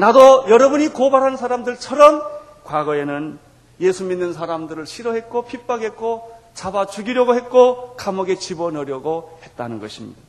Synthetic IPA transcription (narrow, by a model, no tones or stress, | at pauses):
nadojʌɾʌbuɲikobaɾɦansʰaɾamdɯɭt͡ɕʰʌɾʌm | kwaɡʌe̞nɯn | jesʰuminːɯns̬ʰaɾamdɯɾɯɭɕʰiɾʌɦe̞t̚k͈opʰip͈aɡe̞t̚k͈ot͡ɕabat͡ɕuɡiɾjʌɡoɦe̞t̚k͈okamʌɡe̞t͡ɕibʌnʌɾjʌɡohe̞t̚t͈anɯnɡʌɕʰimɲḭd̥a